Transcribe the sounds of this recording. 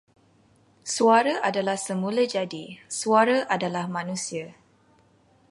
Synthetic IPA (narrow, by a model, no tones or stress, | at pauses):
suaɾaʔadalahsəmũlad͡ʒadisuaɾaʔadalahmãnũsia